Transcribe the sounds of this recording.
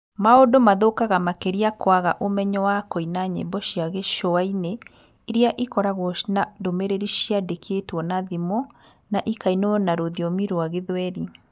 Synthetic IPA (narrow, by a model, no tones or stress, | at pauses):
maodomaðokaɣamakeɾiakwaɣa̰ʔomɛɲɔwakoinaɲḛbɔʃiaɣeʃɔaine | iɾiaʔikɔɾaɣɔʃinadomeɾeɾiʃiadekʰetwɔnaðimɔ | naʔikainonaɾoðiɔmiɾoaɣeðwɛɾi